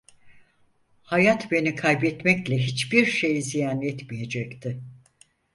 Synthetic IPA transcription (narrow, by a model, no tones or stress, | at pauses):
hajat̪be̞nikʰajbɛt̪mɛclʲɛɦit͡ʃbiɾʃe̞jizijaːnɛt̪mije̞d͡ʒɛct̪ʰɪ